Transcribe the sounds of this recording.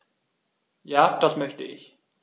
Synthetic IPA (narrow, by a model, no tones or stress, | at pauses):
jaːd̥asmœçtə̰ɪç